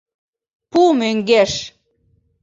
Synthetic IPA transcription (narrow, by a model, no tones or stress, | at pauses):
pumøŋɡeʃ